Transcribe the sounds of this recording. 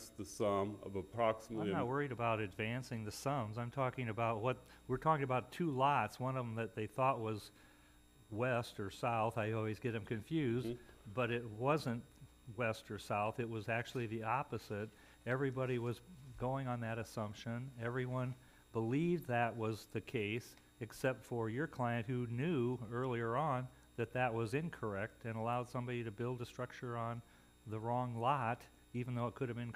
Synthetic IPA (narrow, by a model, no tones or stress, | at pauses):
sðɨsʌ̃mʌ̰vəpʰɹ̥ɑksmətɪlmnət̚wɜ˞iɾɨbaʊɾɨdvæ̃nsɪ̃ŋðɨsʌ̃mzãɪ̃mtʰɔkɪ̃ŋɨbaʊt̚wʌt̚ | wɨɹtʰɔkɪ̃ŋɨbaʊtʰulɑtswʌ̃nʌvəm̩ðɨt̪̚ðeɪθɔt̚wʌz | wɛstə˞saʊθaɪɔlˠwizɡɛɾɨ̃mkʰɨ̃ɱfjʉzb̥ʌɾɪt̚wʌzɨ̃nt | wɛstə˞saʊθɨt̚wʌzæk̚t͡ʃʉl̩ˠiðiɑpɨz̥ɪɾ | ɛvɹibɑɾiwʌzɡoʊɪ̃ŋə̃nðɨɾɨsʌ̃mpʃɨ̃nɛvɹiwʌ̃n | bəlivðɨt̚wʌzðɨkʰeɪs | ɨksɛp̚tfə˞jə˞kʰl̥aɪɨ̃nʔ̚hʉnjʉɜ˞lˠiə˞ə̃n | ðɨt̪̚ðɨt̚wʌzɪ̃nkʰə˞ɛk̚tɨ̃nəlaʊd̥sʌ̃mbɑɾiɾɨbɪlˠdəstɹ̥ʌk̚t͡ʃə˞ə̃n | ðəɹɔ̃ŋlɑɾ | ivn̩ðoʊət̚kʰʊɾɨvɨ̃n